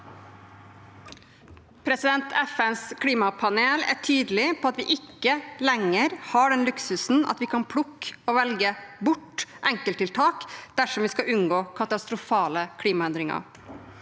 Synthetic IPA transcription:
pʰɾɛsɪd̪ɛnt̪ʰɛfɛnskʰliːmɑpʰɑneːlæ̰ːʈʰyːd̪lɪpʰoːɑt̪ʋɪːʔɪkːəlɛŋːəɾhɑɖɛnlʉksʉsn̩ʔɑ̰t̪ʋiːkʰɑnpʰlʊkːɔʋɛlɡəbʊʈːʔɛŋkəlt̪ʰɪlt̪ʰɑːkd̪̥æʂɔmʋiːskɑʔʉnɡoːkʰɑt̪ɑst̪ɾʊfɑːləkʰliːmɑɛnd̪ɾɪŋɑ̰

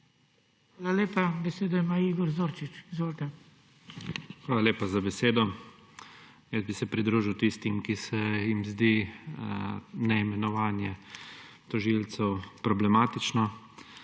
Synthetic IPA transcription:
xaːlaleːpabɛseːd̪ɔimaːiːɡɔɾzoːɾt͡ʃit͡ʃizʋoːlt̪ɛ | xʋaːlaleːpazabɛseːd̪ɔ | jəzbisɛpɾid̪ɾuːʒiwt̪ist̪imkisɛjimzd̪i | nɛimɛnɔʋaːnjɛ | t̪ɔʒilt̪sɛwpɾɔblɛmaːt̪it͡ʃnɔ

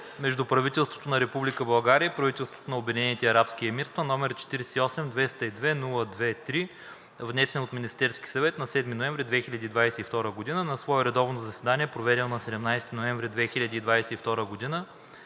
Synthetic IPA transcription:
mɛʒd̪upɾɐvit̪ɛlˠst̪vo̥t̪onɐɾɛpublikəbɐlˠɡaɾiəipɾɐvit̪ɛlˠst̪vo̥t̪onɐobʲɛd̪ʲinɛnit̪ɛɐɾapskiɛmiɾst̪vɐnɔmɛɾt͡ʃɛ̥t̪iɾɛsɛiɔsɛmd̪vɛst̪əid̪vɛnulˠəd̪vɛt̪ɾi | vnɛsɛnot̪minist̪ɛɾski̥sɐvɛt̪nɐsɛd̪minoɛ̃ɱvɾid̪vɛxilʲɐd̪iːd̪vajsɛift̪ɔɾəɡod̪inənɐsvɔɛɾɛd̪ɔvnozɐsɛd̪aniɛpɾovɛd̪ɛlˠnɐsɛd̪ɛmnajst̪inoɛɱvɾid̪vɛxilʲɐd̪id̪vajsɛift̪ɔɾəɡod̪inə

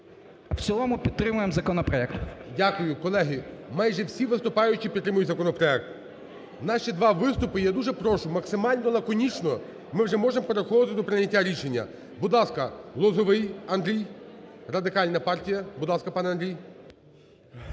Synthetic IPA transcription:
w̥t͡sʲɔlˠɔmʊpʲid̪̚ɾɪmʊjemzɐkɔnɔpɾɔɛk̚t̪dʲakʊjʊkɔlˠɛɦɪmɑjʒɛwsʲiʋɪst̪ʊpɑjʊt͡ʃipʲit̪ːɾɪmʊjʊtʲzɐkɔnɔpɾɔɛk̚t̪ | nɑʃid̪ʋɑʋɪst̪ʊpɪjɛd̪uʒɛpɾɔʃʊmɐksɪmɑlʲnɔlɐkɔnʲit͡ʃnɔ | mɪwʒɛmɔʒempeɾexɔʋ̪ɪt̪ɪd̪ɔpɾɪnʲːɐtʲːaɾʲiʃe̞nʲːɐ̰ | bʊd̪lˠɑskɐlˠɔzɔʋɪjɐnd̪ɾʲijrɐd̪ɪkɑlʲnɐpɑrtʲijɐbʊd̪lˠɑskɐpɑnɛɐnd̪ɾʲij

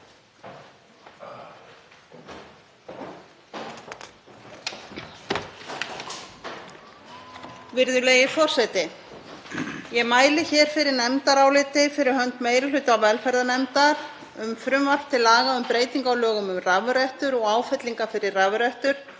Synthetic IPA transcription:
vɪɾðʏlejɪfɔr̥sɛjt̪ɪ | jɛmaːjlɪçɛːɾ̥fɪɾɪɾnɛmt̪aɾawlɪt̪ɪfɪɾɪɾ̥hœnt̪meːjɾɪlʏːt̪ʏawvɛlfɛɾðanɛmt̪aɾ | ʏmfɾʏmval̥t̪ʰːɪlaːɣaʏmpɾeːjt̪iŋkawlœːɣʏmʏmravʏɾœht̪ʏɾɔɣaːwfɛt̪liŋkafɪɾɪrravʏɾœht̪ʏɾ̥

